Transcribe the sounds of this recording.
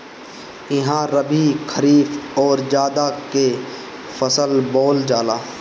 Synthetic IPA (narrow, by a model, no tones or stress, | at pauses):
ɪɦãɾəbʱikʰəɾiːfɔːɾd͡ʒaːd̪ake | fəsəlboːld͡ʒaːlaː